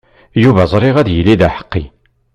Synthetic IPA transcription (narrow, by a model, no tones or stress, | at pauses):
juvæzˤɾˤɪʁæðjəlːiðæħə̥qːi